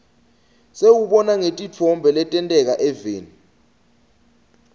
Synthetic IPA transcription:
sewuɓɔnaŋetʼit͡fʰɔmbʱɛlɛtʼɛntʼɛk̬aʔɛveːni

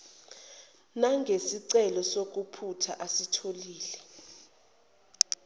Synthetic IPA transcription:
naŋɡʱesiǀɛlɔsok̬upʰutʰa̰ʔasitʰoliːlɛ

